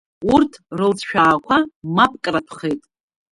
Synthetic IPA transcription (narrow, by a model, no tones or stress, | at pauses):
urtʰrɨlt͡sʰʃᶣaːkʷʰamapʼkʼrapʰχejtʼ